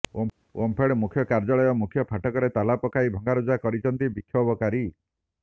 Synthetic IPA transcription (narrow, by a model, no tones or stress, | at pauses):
wʔɔmpʰeɽmukʰjɔkaɾd͡ʒaɭɔjɔmukʰjɔpʰaʈɔkɔɾet̪alapɔkaibʱɔŋɡaɾud͡ʒakɔɾit͡ʃʰɔnt̪ibikʰjɔbɔkaɾi